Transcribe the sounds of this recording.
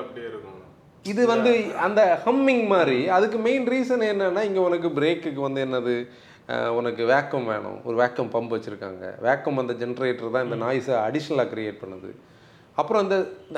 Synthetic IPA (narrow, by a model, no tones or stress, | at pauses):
ɐpɽɾ | ɪðɯʋɐnd̪ɯɐnd̪ɐhɐmːɪŋɡmaːɾiɐðɯkːɯmeɪnɾiːsɐnɛnːɐnːaːɪŋɡeɔnɐkːɯbɪɾeːkːɯkːɯʋɐnd̪ɯɛnːɐðɯ | ɔnɐkːɯʋeːkːɐmʋḛːɳʊ̰̃ɔɾɯʋaːkːɐmpɐmbɯʋɐt͡ʃːɪɾɯkːa̰ːŋɡɐ̰ʋeːkːɐmʋɐnd̪ɐd͡ʒɛnɾeːʈːɐɾt̪ãːɪnd̪ɐnaːjsɐɐɽɪʂɐnɐlaːkɪɾɪjeːʈ̚pɐɳːɐðɯ̰ | ɐpːɯɾõɪnd̪ɐ